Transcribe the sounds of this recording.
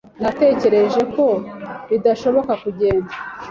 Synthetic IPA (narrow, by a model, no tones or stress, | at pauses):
nate̞ːce̞ɾe̞ʒe̞ko̞ɾidaʃo̞βo̞kakuɟe̞ːnza